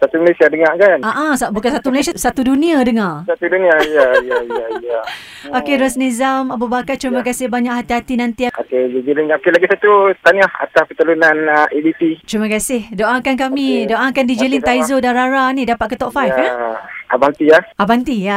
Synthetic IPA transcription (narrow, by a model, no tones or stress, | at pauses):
sat̪uməlesiadəŋaʔkanaʔãsabukansat̪uməlasiasat̪udunĩadəŋasat̪udunĩaijaijaiaija | okeɾasnezamabubakart͡ʃɾimakasɪhbaɲaʔhat̪iɦat̪inant̪iaoked͡ʒid͡ʒilinokelaɡisat̪ut̪aɲaha̰t̪aspət̪əlunanʔedip̪it͡ʃɾimakasɪhdoʔakank̬amĩdoʔakandid͡ʒilint̪aizodanɾaɾanĩdapat̪̚kət̪ɔpfajfaa̰bant̪iahabant̪ija